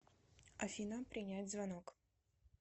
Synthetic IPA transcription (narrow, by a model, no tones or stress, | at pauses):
ɐfʲinɐpɾʲɪnʲad͡zʲzvanɔk